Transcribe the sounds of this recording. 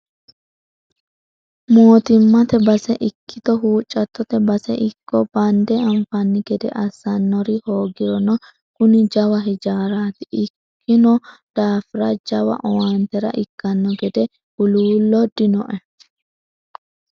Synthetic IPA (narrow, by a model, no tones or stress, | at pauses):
moːt̪ɪmːɐt̪ɛbɐsɛʔɪkʰːɪt̪ɔɦuːt͡ʃʼːɐt̪ːɔt̪ɛbɐsɛʔɪkːɔbɐnd̪ɛɐmfɐnːɪɡɛd̪ɛ̰ʔɐsːɐnːɔɾɪho̞ːɡɪɾɔnɔ | kʊnɪd͡ʒɐwɐɦɪd͡ʒaːɾaːt̪ɪʔɪkːɪnɔd̪̥aːfɪɾɐd͡ʒɐwɐ̰ʔɔwant̪ɛɾɐ̰ʔɪkːɐnːɔɡɛd̪ɛ | ʊluːlːɔd̪ɪnɔʔɛ